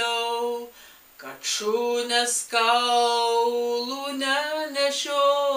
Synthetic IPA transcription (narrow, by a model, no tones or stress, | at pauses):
ɛ | kɐt̪ʃunʲɛskɐʊlˠunʲɛnʲɛʃʲoː